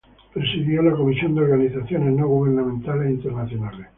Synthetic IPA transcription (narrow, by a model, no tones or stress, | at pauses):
pɾesiðjolako̞misjo̞nd̪eo̞ɾɣaniθaθjo̞neznoɣ̞uβeɾnamẽnt̪aleint̪eɾnaθjo̞nale